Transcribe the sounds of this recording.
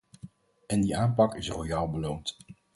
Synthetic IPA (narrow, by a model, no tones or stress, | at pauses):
ɛndiaːnpɑkɪsrojaːlˠbəlownt